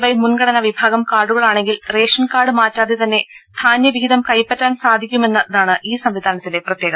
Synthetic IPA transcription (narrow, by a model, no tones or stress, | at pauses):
bɐjmunɡɐɽɐnɐʋibʱaːɡɐmkaːrɖuɣɐɭaːɳe̞ŋɡilre̞ːʂɐnkaːɽɨmaːtːaːðet̪ɐnːe̞d̪̥ʰʱaːnjɐʋiid̪ɐmkɐjpːɐtːaːnsaːd̪ʱikʲːume̞nːɐðaːɳɨʔiːsɐmʋid̪ʱaːnɐt̪ːileprɐt̪jeːɡɐ